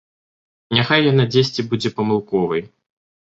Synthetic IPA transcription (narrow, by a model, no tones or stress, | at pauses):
nʲaxajːanad͡zʲesʲt͡sʲibud͡zʲɛpɐmɨlˠkɔvɐj